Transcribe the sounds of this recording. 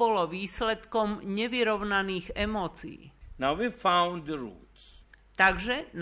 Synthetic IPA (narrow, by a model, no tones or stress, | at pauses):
ɔlɔʋiːslɛt̪kɔmɲɛʋiɾɔʊnaniːɣɛmɔːt͡sḭːnaʊʋifãʊ̃nd̪əɹṵːtst̪aɡʒɛn